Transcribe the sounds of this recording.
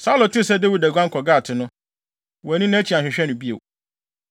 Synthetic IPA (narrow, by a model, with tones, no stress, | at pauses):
saː˦lo˨tɪ˦˨sɛ˦de˦wi˨dæ˨ɡʷã˦ŋ̩˦kʰɔ˨ɡaː˦˨tʰɪ˨nʊ̃˦ | wɔ˨æ˨nĩ˦nã˦t͡ɕʰi˨a˨ɕᶣɪ˨ɕᶣɛ˦nʊ̃˨bi˦ḛ˨w